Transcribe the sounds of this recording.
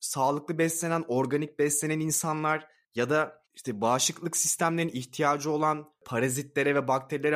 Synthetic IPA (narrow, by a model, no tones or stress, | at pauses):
saːlˠɯklˠɯbɛslʲe̞næno̞ɾɡanic̚bɛslʲenæninsanlˠaɾ̥ | jad̪a | iʃt̪ʰɛbaːʃlɯklˠɯksist̪ʰæmlʲe̞ɾiniçt̪ʰijaːd͡ʒɯo̞lˠan | pʰaɾazit̪lʲe̞ɾɛvɛbak̚t̪ʰeɾilʲeɾ